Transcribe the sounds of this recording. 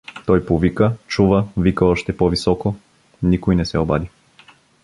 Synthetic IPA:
t̪ɔjpovikət͡ʃuvɐvikɐɔʃt̪ɛpɔvisɔko | nikojnɛsɛoba̰d̪i

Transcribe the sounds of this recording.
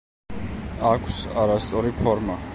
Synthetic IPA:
akʷʰsaɾast̪sʼɔɾipʰɔɾma

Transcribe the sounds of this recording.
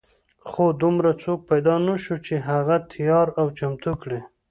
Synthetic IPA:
xod̪ʊmɾat͡sok̚pajd̪ɑnaʃut͡ʃeɦaɣat̪ʰjɑɾawt͡ʃamt̪ukɽe

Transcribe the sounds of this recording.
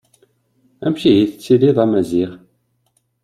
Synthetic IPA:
æmçijiθət͡sːiliðˤæmæziʁ

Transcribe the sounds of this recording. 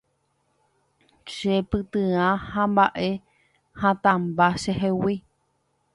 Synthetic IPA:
ʃepɨt̪ɨãhãmbaʔe | hãt̪ambaʃeɦewi

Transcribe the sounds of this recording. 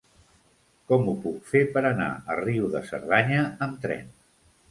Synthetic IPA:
kɔmupukfepəɾəna̰əriuðəsə̰ɾðaɲəːmt̪ɾɛ̰n

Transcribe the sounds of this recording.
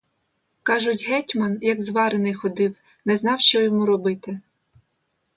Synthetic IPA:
kɑʒʊtʲɦɛtʲmɐnjɐɡzʋɑɾenɪjxɔd̪ɪw | nɛznɑwʃt͡ʃɔjɔmuɾɔbɪt̪ɪ

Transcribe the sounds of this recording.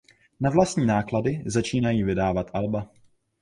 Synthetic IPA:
navlast̪ɲiːnaːkladɪzat͡ʃiːnajiːvɪdaːvat̪ʔalba

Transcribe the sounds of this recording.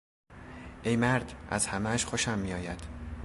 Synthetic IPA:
ʔejmæɾd̪ʔæ̰zhæmæʃxoʃæmːijɒːjæd̪̥

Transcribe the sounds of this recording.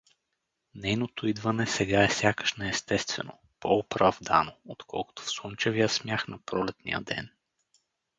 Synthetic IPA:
nɛjnot̪oid̪vɐnɛsɛɡaɛfsʲjakə̥ʃnɛɛst̪ɛst̪vɛ̰no̰ | poːpɾɐvd̪a̰noot̪kʰɔ̰lˠkʊ̥t̪o̥fsont͡ʃɛvijəsmʲjaxnɐpɾɔlɛt̪nḭjə̰d̪ɛ̰n

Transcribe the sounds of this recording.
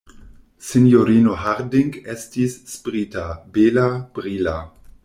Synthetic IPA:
sinjoɾiːnoɦaɾdiŋɡestisːpɾitabelab̥ɾila

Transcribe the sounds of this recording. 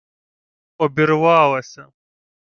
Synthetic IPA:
obiɾwaːwɐsɐ

